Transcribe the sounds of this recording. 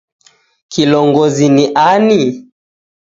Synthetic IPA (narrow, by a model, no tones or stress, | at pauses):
kʰilɔŋɡɔziniʔani